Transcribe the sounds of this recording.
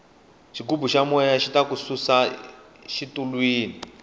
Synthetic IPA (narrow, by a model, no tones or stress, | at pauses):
ʃikubuʃamwɛjaʃitakususa | ʃitʼulwiːni